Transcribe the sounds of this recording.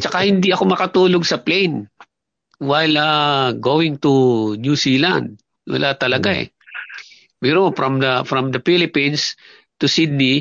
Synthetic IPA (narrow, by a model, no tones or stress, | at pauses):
t͡ʃɐkahɪnd̪iʔɐko̞mɐkɐt̪uːloɡsɐplejn | wajlɐɡowɪ̃ŋt̪unjusiːlã̰nd̪̚ | wɐ̰lʔat̪ɐlɐɡaɛ̰ | pɛɾofɹɐ̃md̪ɐfɾɐ̃md̪ɐfilɪpĩns | t̪ʊsɪd̪̚ni